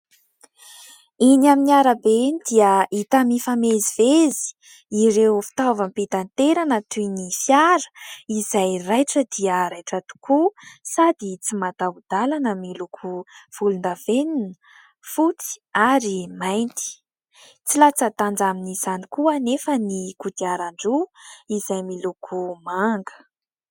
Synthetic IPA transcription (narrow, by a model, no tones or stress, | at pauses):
inaminiaɾabend̪iəit̪amifamezivezi̥ | iɾewfi̥t̪avampet̪ant̪eɾanət̪unifjaɾə̥izajrajʈ͡ʂəd̪iəɾajʈ͡ʂat̪u̥kusad̪it͡simat̪aud̪alanəmilukʰuv̥ulund̪aveninə | fut͡si̥aɾimajnt̪i̥ | t͡silat͡sat̪and͡zaminiz̥anikuənefənikud̪iaɾaɳɖ͡ʐuizajmilukʰumaŋɡə̥